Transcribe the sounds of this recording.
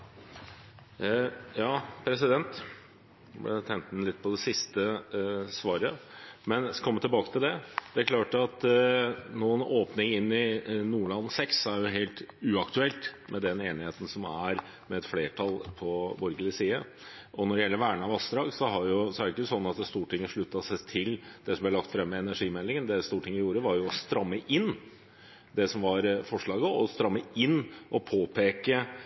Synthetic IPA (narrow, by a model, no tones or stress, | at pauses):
jɑːpʰɾɛs̬ɪd̪ɛnt̪ | blɛ̰t̪ʰɛŋt̪nlɪt̪̚ːpʰɔd̪ɛsɪst̪əsʋɑːɾəmɛnkʰɔmːət̪ɪlbɑːkət̪ʰɪld̪ɛd̪̥ɛæɾklɑːʈɑt̪ | nuːənoːpnɪŋɪnːɪnuːɭɑnːsɛksæɾjʊɦeːlt̪ʉːɑkt̪ʉɛlt̪mʔɛd̪ɛneːnɪheːt̪n̩sɔmæɾ | mɛɛt̪fleːʈʰɑlpʰɔbɔɾɡəlɪsiːə | ʔɔnɔɖɛjɛlːəɾʋæːɳəɑʋɑst̪ɾɑːɡsɔɦɑɾjʊsɔæɾɪɪkːəəsɔnːɑt̪̚d̪ɛst̪uːʈʰɪŋːəʂɭʉt̪ːɑsæɪt̪ʰɪld̪̥ɛsɔmb̪ɛlɑkt̪fɾɛmːəɛnæʂiːmɛlːɪŋənd̪ɛst̪uːʈʰɪŋːəɪjuːɾəʋɑɾjʊɔst̪ɾɑmːəʔɪnː | d̪ɛsɔmʋɑɾfɔʂɭɑːɡəɔst̪ɾɑmːəɪnːʔɔpʰoːpʰeːkə